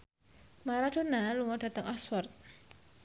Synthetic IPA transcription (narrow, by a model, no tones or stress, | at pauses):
maɾad̥o̤naluŋɔd̥a̤t̪əŋʔɔsfɔrt̪̚